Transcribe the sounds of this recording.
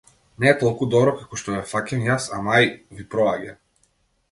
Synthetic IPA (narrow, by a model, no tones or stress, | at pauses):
nɛːt̪ɔlˠkud̪ɔbɾɔkakɔʃt̪ɔjɛfacɛnjasamajvipɾɔaɟɛ